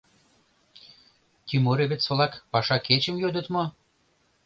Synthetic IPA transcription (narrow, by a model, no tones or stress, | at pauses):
t̪ʲymoɾeβet͡solɑkpɑʃɑket͡ɕə̆mjød̪ə̆t̪mo